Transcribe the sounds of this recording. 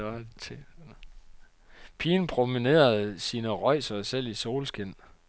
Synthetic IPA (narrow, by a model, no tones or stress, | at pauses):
t͡sʰe | pʰiːnpʰʁo̝mine̝̰ːɐð̩ˠsiːnəʁɒɪ̰sɐsel̰iso̝ːlsɡ̥e̝n̰